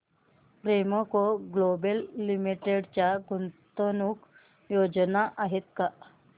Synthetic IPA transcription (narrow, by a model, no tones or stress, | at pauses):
pɾeməkoɡlobelːimiʈeɽt͡ɕjaɡunt̪ənuk | jod͡ʑnaʔaɦet̪̚ka